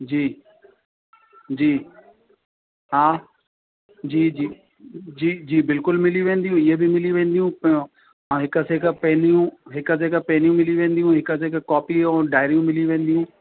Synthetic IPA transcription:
d͡ʑiː | d͡ʑiː | ɦaː | d͡ʑiːd͡ʑiː | d͡ʑiːd͡ʑiːbɪlkʊlmɪliʋẽːn̆d̪ijũɪɦebɪmɪliʋẽːn̆d̪ijũ | ãɦɪkəseːkpɐ̃ɦɪ̃nijũɦɪkəs̬eːkpɐɦɪ̃nijũmɪliʋẽːnd̪ijũɦɪkəs̬ekkɔːpiɛ̃ːɖaːɪɾijũmɪliʋẽːnd̪ijũ

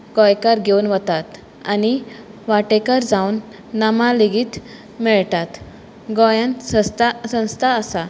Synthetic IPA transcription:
ɡɔjkaɾɡʱewnʋət̪at̪ | aniʋaʈekaɾd͡zawnː | amaliɡiːt̪ | mɛɭt̪at̪ | ɡɔjanst̪asə̃w̃st̪ʰaəsa

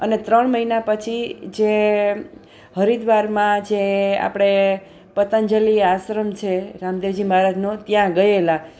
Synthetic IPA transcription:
ənet̪ɾəɳməɦinapət͡ʃʰid͡ʒe | ɦəɾid̪ʋaɾmãd͡ʒea̰pɽ̃e | pət̪ənd͡ʒəliasɾəmt͡ʃʰeɾamd̪ed͡ʒimaɾad͡ʒnot̪jãɡəela

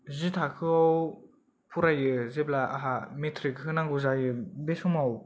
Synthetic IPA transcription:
zɯtʰakʰɯɔw | pʰuɾajɯzeblaʔaɦametʰɾikɦɯnaŋɡuzajɯbesɔmɔw

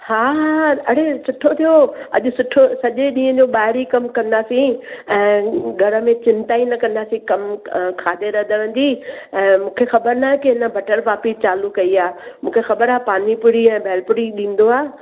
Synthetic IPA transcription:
haːaɐɽesʊʈʰot̪ʰijoɐ̰ʄʊsʊʈʰosɐʄeɗĩːɦə̃d͡ʑoːɓaːɦɪɾikɐmkɐ̃nd̪aːsĩɛ̃ːɡʱɐɾə̆mẽt͡ɕɪ̃nt̪aːinɐkɐ̃nd̪aːsĩkɐmkʰaːd̪eɾɐd̪ʱəʋə̃n̆d͡ʑ̪iːɛ̃ːmũːkʰexɐbəɾnaɦɛ̃kɪɦɪnə̆bʱɐʈəɾʋaːpist͡ɕaːlukɐiaːmũːkʰexɐbəɾaːpaːnipʊɽiɛ̃ːbʱɛːlpʊɽiɗĩːn̆d̪oaː

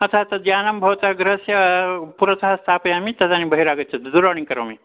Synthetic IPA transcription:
ɐt̪ʰaːt̪ɐd̪jaːnɐmbʱɐʋt̪aɡɾɐsjɐpuɾɐsaɦɐst̪ʰaːpɐjaːmit̪ɐd̪aːnibʱɐɦiɾaːɡɐt͡ʃɐt̪d̪uɾaːɳ̃iŋkɐɾo̰ːmi

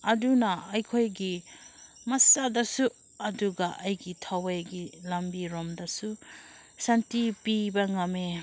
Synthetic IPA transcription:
ɐdunɐɐjkʰojɡi | mɐsadɐsu | ɐduɡɐʔɐjɡitʰɐwejɡilɐmbiɾomdɐsu | santipibɐŋɐme

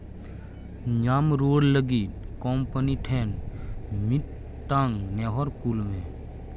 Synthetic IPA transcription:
ɲaːmɾoːɽləɡitkɔːmpəniʈʰɛːnmiʈ̪ː | ãŋɡneːɦɔɾkulmẽ

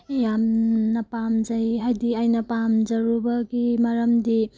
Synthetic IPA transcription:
jamnɐpamd͡ʒajɦajdiajnɐpamd͡ʒɐɾubɐɡimɐɾɐmdi

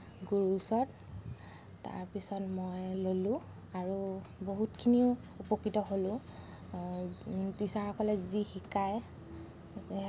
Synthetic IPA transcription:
ɡuɹusɔt | ta̰ɹpisɔtmɔjlolũ | aɹuboɦutkʰiniʊ | upɔkːitɔɦolʊ̃ | bisaɹɔkɔlɛzixikaj

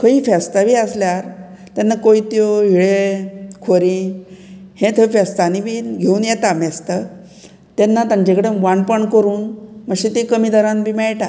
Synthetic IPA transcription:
kʰəĩːfɛst̪abiːəsljaɾ | t̪anːakoit̪joɦiɭekʰoɾĩ | hẽt̪ʰəfɛst̪animiɡʱeuːnjɛt̪amɛst̪ə | t̪enːat̪ãɲt͡ɕekɽeʋaɳpəɳkəɾuːnməɕit̪ikəmid̪ʱəɾãnbʱiːmɛɭʈa

